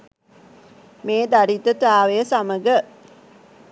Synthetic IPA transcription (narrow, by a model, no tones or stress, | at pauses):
meːd̪aɾit̪ət̪aːʋejəsaməɡə